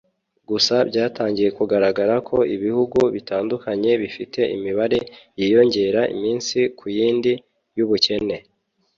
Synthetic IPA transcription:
ɡusabɟaːtaːɲɟije̞kuɡaɾaɡaɾakʰo̞ʔiβihuɡuβitaːndukaɲe̞βifite̞ʔḭmiβaɾe̞jijo̞ɲɟe̞ɾaḭmiːnsikʰujiːndi | juβuce̞ne̞

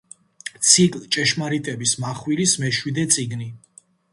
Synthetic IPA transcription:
t̪sʰikʼlt͡ʃʼɛʃmaɾit̪ʼɛbismaχwilismɛʃwid̪ɛt̪sʼiɡni

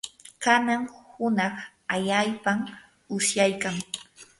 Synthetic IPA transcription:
kanaŋhʊnɑχ | aʎajpam | ʊsjajkaŋ

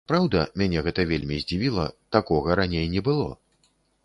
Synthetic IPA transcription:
pɾawd̪ɐmʲanʲɛɣɛt̪ɐvʲelʲmʲizʲd͡zʲivʲilˠɐt̪akɔɣɐɾanʲejnʲɛbɨlˠɔ̰

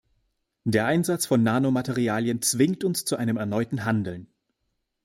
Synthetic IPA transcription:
d̥eːɐʔaɪnzat͡sfɔnːaːnomatʰeʁ̞iaːljənt͡sv̥ɪŋktʊnst͡suʔaɪnəmɛɐnɔʏtn̩ɦandl̩n

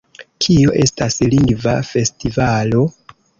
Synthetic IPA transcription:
kʰio̞ʔe̞stasliŋɡvafe̞stivalo̞

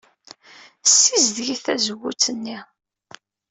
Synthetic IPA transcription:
sːizðʝiθæzəwːṵt͡sːənːi

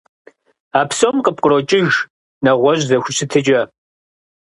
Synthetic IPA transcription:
aːpsomqəp̚qʼəɾot͡ʃʼɪʒ | nɐʁʷɔʑzɐxʷʊɕʰɨtʰɨt͡ʃʼɐ

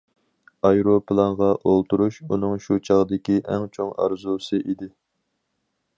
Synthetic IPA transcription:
ɑjɾopʰlˠɑnʁɑʔolˠt̪uɾuʃun̪ɨŋʃut͡ʃʰɑʁd̪ɪkʲiʔæŋt͡ʃʰoŋɑ̰ɾzusɨʔid̪ɪ

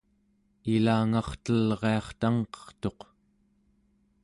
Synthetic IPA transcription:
ilaːŋɑχt̪əlʁe̞ɑχt̪aŋqʌ̥χt̪o̞q

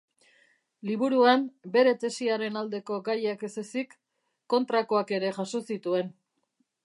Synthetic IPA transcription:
liβ̞uɾuambe̞ɾe̞t̪e̞siaɾe̞nald̪e̞ko̞ɡajakesesikː | o̞nt̪ɾako̞ake̞ɾe̞ʝaso̞sit̪ue̞n

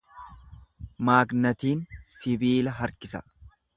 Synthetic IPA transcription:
maːɡnɐt̪iːnsɪbiːlɐɦɐɾkɪsɐ

